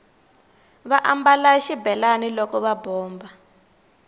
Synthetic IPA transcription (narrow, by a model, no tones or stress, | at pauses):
βaʔambalaʃibɛlanilɔkɔβabɔːmba